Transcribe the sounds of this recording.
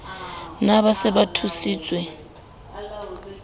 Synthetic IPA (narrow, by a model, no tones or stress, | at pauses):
naβasɛbatʰusiːt͡sʼwɛ